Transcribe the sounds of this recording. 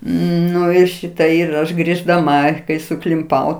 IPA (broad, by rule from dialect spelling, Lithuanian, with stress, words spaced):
ˈnʊ ɪr ˈʃʲɪtɐ ɪr ˈɐʃ ɡrʲɪʒdɐˈmɐ kɐɪ sʊklʲɪmˈpɐʊ